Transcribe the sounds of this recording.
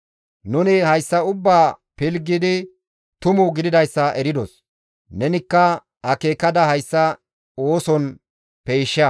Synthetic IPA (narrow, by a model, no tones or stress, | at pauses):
nʊnɪhɐjsːɐʊbːaːpɪlɡːɪd̪ɪ | t̪ʊmʊɡɪd̪ɪd̪ɐjsːɐʔɛɾɪd̪ɔs | nɛnɪkːɐ | ɐke̞ːkɐd̪ɐhɐjsːɐ | oːsɔn | pejʃːɐ